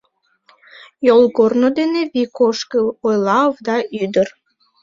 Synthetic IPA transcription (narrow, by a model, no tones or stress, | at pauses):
jolˠɣornod̪eneβikoʃkəojlɑovd̪ɑʔyd̪ər